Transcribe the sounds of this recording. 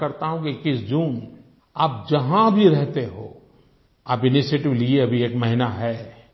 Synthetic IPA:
kɐɾt̪aɦũkikɪsd͡ʒuːn | aːp̚d͡ʒɐɦãbʱiɾɛɦt̪eɦo̰ː | aːpɪnɪʃeːʈɪʋlieɐbʱieːkmɛɦɪnaɦɛː

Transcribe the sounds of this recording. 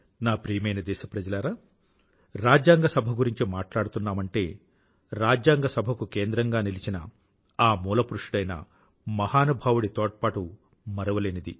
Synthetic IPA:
naːpɾijɐmɐjnɐd̪ɛːʃɐpɾɐd͡ʒɐlaɾaː | ɾaːd͡ʒjaːŋɡɐsɐbʱɐɡuɾiɲt͡ʃimaːʈlaːɽut̪unːaːmɐɳʈe̞ː | ɾaːd͡ʒjaːŋɡɐsɐbʱɐkukeːnd̪ɾɐŋɡaːnilit͡ʃinɐ̰ | aːmuːlɐpuɾuʂiɽɐjnɐ̰ | mɐhaːnubʱaːwuɽit̪ɔːʈ̚paːʈu | mɐɾɐʋɐleːnid̪ḭ

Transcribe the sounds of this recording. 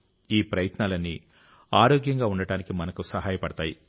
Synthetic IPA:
iːpɾɐjɐt̪naːlɐnːi | aːɾoːɡjɐŋɡaːuɳɖɐɽaːnikimɐnɐkusɐɦaːjɐpɐɽɐt̪aːji

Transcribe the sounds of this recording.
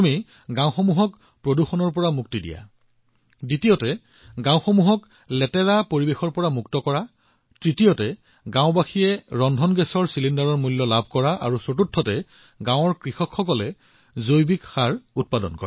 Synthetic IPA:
mi | ɡãw̃xɔmuɦɔk | pɹoduxɔnɔɹpɔɹamuk̚tidḭja̰ | ditijɔtɛ | ɡãw̃xɔmuɦɔk | lɛtɛɹapoɹibexɔɹpɔɹamuktɔkɔɹa | tɹitijɔtɛ | ɡãʊ̃baxijɛɹɔndʱɔnɡɛsɔɹsilindaɹɔɹmulːɔlab̚ʱkɔɹaʔa̰ɹusotutʰːɔtɛ | ɡãw̃ɔɹkɹixɔkxɔkɔlɛ | zojbikxaɹut̚padɔ̰nkɔɹa

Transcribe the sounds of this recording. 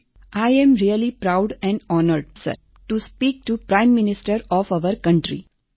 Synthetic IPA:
ʔaɪɛ̃mɾiəlipɾaʊɖɛ̃ɳɖɔːnəɾɖsə̰ɾ | ʈuspiːk̚ʈupɾãɪ̃mːɪnɪsʈəɾɔːfaʋəɾkʌ̃ɳʈɾḭ

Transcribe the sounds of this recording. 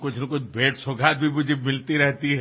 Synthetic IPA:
kʊt͡ʃʰnɐkʊt͡ʃʰbeːʈsoɡʱat̪̚bʱimʊd͡ʒʱemɪlt̪iɾɛɦt̪iɦɛ

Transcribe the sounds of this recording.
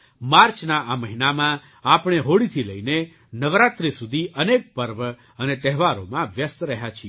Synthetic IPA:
maɾt͡ʃnaʔaməɦinamã | apɽ̃eɦoɽit̪ʰiləine | nəʋɾat̪ɾisud̪ʱiʔənek̚pəɾʋ | ənet̪ɛɦʋaɾo̰mãʋjəst̪ɾəɦjat͡ʃʰi

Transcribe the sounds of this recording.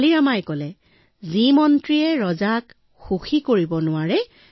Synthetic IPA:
liɹamajkɔlɛ | zimɔntɹiɛɹɔzak | xuxikoɹibɔnʊwaɹɛ

